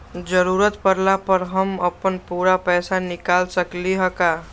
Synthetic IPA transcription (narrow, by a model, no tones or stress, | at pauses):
d͡ʒəɾuːɾət̪pəɾlapəɾɦəməpənpuːɾapɛːsanɪkaːlsəkliɦəkaː